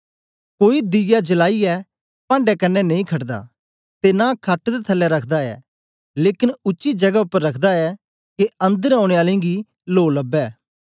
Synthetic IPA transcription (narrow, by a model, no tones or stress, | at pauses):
koːid̪ɪjad͡ʒəlaːiɛː | pãːɳɖɛkɐnːɛnɐ̃ĩkʰɐʈd̪a̰ː | t̪enakʰɐʈd̪et̪ʰəlːɛɾɐkʰd̪aɛ̰ː | leːkɪnʊt͡ʃːʃid͡ʒɐɡaʊpːəɾːɐkʰd̪aɛ | keɐ̃nd̪əɾãʊɽ̃eaːlẽɡi | loːləbːɛː